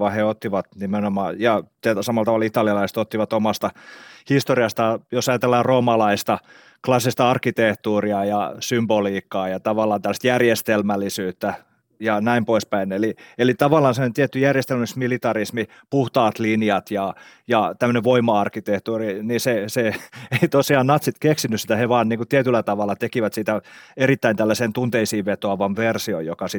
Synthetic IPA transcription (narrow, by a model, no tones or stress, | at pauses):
ʋɑheot̪ːiʋɑt̪nimenomɑːjɑt̪æsɑmɑlt̪ɑʋɑlit̪ɑliɑlɑise̥t̪ot̪ːiʋɑt̪omɑst̪ɑhist̪oriɑst̪ɑjosɑjɑt̪elːɑːroːmɑlɑist̪ɑ | klɑsːist̪ɑɑrkːit̪eht̪uːriɑjɑsymboliːkːɑːjɑt̪ɑʋɑlːˑɑːnt̪ælæst̪jærjest̪elmælːˑisyːt̪ːæ | jɑnæimpoispæinelielit̪ɑʋɑlːˑɑːnsemənt̪iet̪ːyjærjest̪elmæsmilit̪ɑrismi | puht̪ɑːt̪liniɑt̪jɑjɑt̪æmːø̆neʋʋoimɑɑrkːit̪eht̪uːriniseseeit̪osiɑːnnɑt̪sit̪keksinysit̪æheʋɑːnniːŋkut̪iæt̪ylːæt̪ɑʋɑlːˑɑt̪ekiʋæt̪sit̪æerit̪ːæint̪ælːæseːnt̪unt̪eisiːʋʋet̪oɑʋɑnʋersiojokɑsi